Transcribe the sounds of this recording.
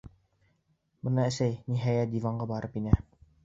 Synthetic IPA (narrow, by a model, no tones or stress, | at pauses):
bɤ̆nɑɘ̆sæjniɦæjæt̪̚d̪ivɑɴɢɑbɑɾɤpinæ